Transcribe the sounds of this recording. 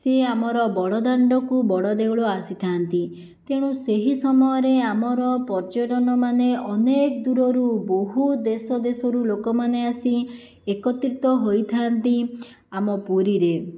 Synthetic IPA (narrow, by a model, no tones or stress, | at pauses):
seamɔɾɔbɔɽɔd̪aɳɖɔkubɔɽɔd̪ewɭɔasit̪ʰant̪i | t̪eɽ̃ũseɦisɔmɔjɔɾeamɔɾɔpɔɾd͡ʒɔʈɔnɔmaneɔnekd̪uɾɔɾuboɦud̪esɔd̪esɔɾulokɔmaneasi | ekɔt̪ɾit̪ɔɦojt̪ʰant̪i | amɔpuɾiɾe